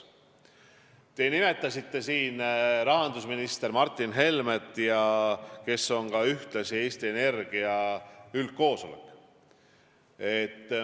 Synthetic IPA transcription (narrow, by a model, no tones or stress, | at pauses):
t̪e̞ːnime̞t̪ːˑɑsit̪ːe̞siːnɾɑɦɑnd̪usminist̪e̞ɾmɑrt̪ːˑinɦe̞lmet̪ːˑjɑke̞sːo̞ŋkɑyht̪lɑsie̞ːst̪ie̞ne̞rɡ̥iɑylt̪̚ko̞ːso̞lḛkːˑ | e̞t̪ː